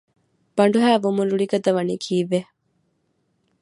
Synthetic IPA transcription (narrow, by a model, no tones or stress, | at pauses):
b̥ɐɳ̆ɖuɦæːʋumunɾuɭiɡɐd̪ɐʋɐniːkʰiːʋːe